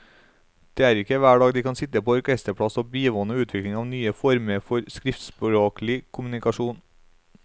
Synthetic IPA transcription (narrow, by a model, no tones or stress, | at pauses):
d̪̥eːæːɾɪkːəʋæːɖɑːɡd̪iːkʰɑnsɪt̪əpoːɔɾkʰɛst̪əpʰɽɑsoːbiːʋɔnəʉːt̪ʰʋɪklɪŋɑːʋnyːəfɔɾməɾfɔɾskɾɪft̪spɾoːklɪkʰʊmʉnɪkɑʃuːn